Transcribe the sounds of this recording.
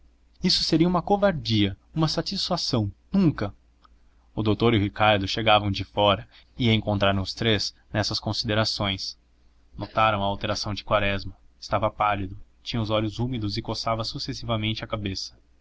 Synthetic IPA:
isʊ̥seɾiɐũmɐkovaɾd͡ʒiɐ | ũmɐsat͡ʃisfasɐ̃w̃nũŋkɐ | ʊd̪owt̪oɾɪɦikaɾd̪ʊʃeɡavɐ̃w̃d͡ʒɪfɔɾɐ | iɐẽŋkõnt̪ɾaɾ̃ʊst̪ɾez | nɛsɐskõsid̪eɾasõj̃s | not̪aɾɐ̃w̃ɐːwt̪eɾasɐ̃w̃d͡ʒɪkwaɾɛzmɐ | ɪ̥st̪avɐpalid̪ʊt͡ʃĩɲɐ̃ʊzɔʎʊzumid̪ʊzɪkosavɐsusesivɐmẽnt͡ʃɪɐkabesɐ̥

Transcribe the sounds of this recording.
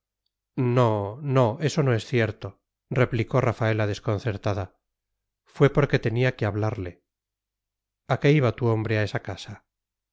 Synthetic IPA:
nono̞e̞so̞no̞e̞sθjeɾt̪o̞ | re̞pliko̞rafae̞laðe̞sko̞n̟θe̞ɾt̪aða | fwe̞po̞ɾke̞t̪e̞niakeaβlaɾle̞ | ake̞iβat̪uo̞mbɾeae̞sakasa

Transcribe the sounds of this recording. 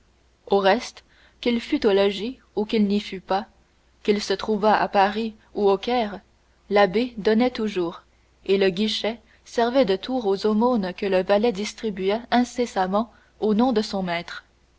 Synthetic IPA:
oʁɛst̪ | kʲilfyt̪olɔʒi | ukilnifypa | kʲilsət̪χuvaa̰paʁi | uokʲɛːʁ | labed̪ɔnɛt̪uʒuːʁ | eləɡʲiʃɛ | sɛʁvɛd̪ət̪ʰuːʁozomonkələvalɛd̪ist̪χibyɛɛ̃sesamɑ̃ | onɔ̃d̪əsɔ̃mɛːt̪χ

